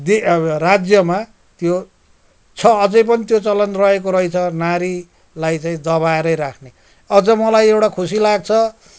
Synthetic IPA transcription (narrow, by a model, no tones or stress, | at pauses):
d̪erad͡zjʌma | t̪jo | t͡sʰʌːd͡zʌjp̬ʌnit̪jot͡sʌlʌnt̪rʌek̬oɾʌjt͡sʰʌnaɾi | lajt͡saĩd̪ʌβaeɾʌjɾakʰne | ʌd͡zʌmʌlajewʈakʰusilaɡ̚t͡sʰʌ